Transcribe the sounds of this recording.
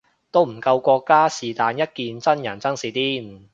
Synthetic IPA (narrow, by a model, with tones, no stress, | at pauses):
t̪o˥wm̩˨˩kɐ˧wkʷɔː˧kːaː˥siː˨˩t̪aː˨˧njɐ˥t̚kiː˨˧nt͡sɐ˥njɐ˨˩nt͡sɐ˥ŋsiː˨˥t̪iː˥n˨˩